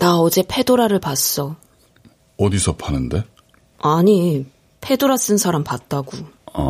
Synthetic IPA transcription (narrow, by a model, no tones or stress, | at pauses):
naʌd͡ʑe̞pʰe̞doɾaɾɯɭpas͈ʌ | ʌdisʰʌpʰanɯnde̞ | aɲi | pʰe̞doɾas͈ɯnsʰaɾampat̚t͈aɡu